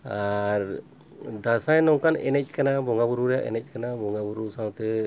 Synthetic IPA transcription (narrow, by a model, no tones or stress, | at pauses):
aɾ | d̪asãjnɔŋkanɛ̰nec̚kanabɔŋɡabuɾuɾjaʔɛ̰nɛc̚kanabɔŋɡabuɾusaw̃t̪ɛ